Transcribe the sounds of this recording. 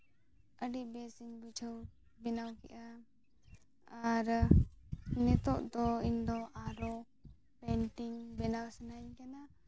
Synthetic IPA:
əɖiʔbɛsiɲbit͡ʃʰəw | binawkɛʔa | aɾ | nɛt̪ɔʔd̪ɔiɲd̪ɔʔaɾɔ | pɛɳʈiŋbɛnawsɛnaɲkana

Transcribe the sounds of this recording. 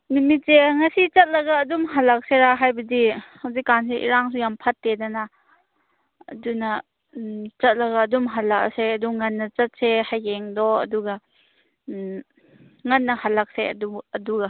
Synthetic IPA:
numit̚seŋasit͡ʃɐt̚lɐɡaːdumɦalak̚seɾaɦajbɐdihawzikːansiʔḭɾaŋsujampʰɐtːedana | ɐ̰dunɐ | t͡ʃɐt̚lɐɡaːdumɦalak̚seɐduŋɐnːɐt͡ʃɐt̚sehajɡeŋdɔɐ̰duɡa | ŋɐnːɐhalak̚seɐ̰duːduɡa

